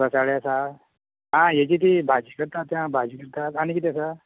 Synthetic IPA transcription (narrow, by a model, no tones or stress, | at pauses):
bəsaɭeasa | ɦãjet͡ɕiːt̪̬ibʱad͡ʑikəɾt̪at̪ːjãbʱad͡ʑikəɾt̪at̪añikit̪jasa